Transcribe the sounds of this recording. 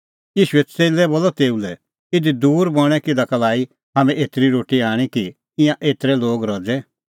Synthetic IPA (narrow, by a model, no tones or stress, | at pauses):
jiːʃuɛt͡seːlɛbolɔt̪eːulɛ | ɪd̪id̪uːɾbɔɽ̃ɛkɪd̪akɐlaːi | ɦamɛ̃eːt̪ɾiɾoːʈiaːɽ̃iki | ɪ̃jãʔeːt̪ɾɛloːɡɾɔd͡zɛ